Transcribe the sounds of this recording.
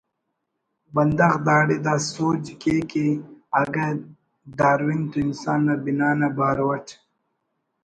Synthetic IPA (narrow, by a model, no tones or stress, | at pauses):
bɐnd̪ɐxd̪aːɽid̪asoːd͡ʒikekeɐɡɐ | d̪aːɾwint̪uinsaːnːabinaːnabaːɾwɐt͡ʃ